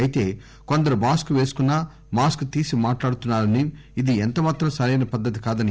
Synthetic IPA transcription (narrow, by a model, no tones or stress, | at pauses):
ɐjit̪e̞ː | ko̞nd̪ɐɾumaːskuʋe̞ːsu̥kunːaː | maːskt̪iːsimaːʈlaːɽut̪unːaːɾɐniː | d̪ient̪ɐmaːt̪ɾɐmsɐɾɐjnɐpɐd̪ːɐt̪̬ikaːd̪ɐni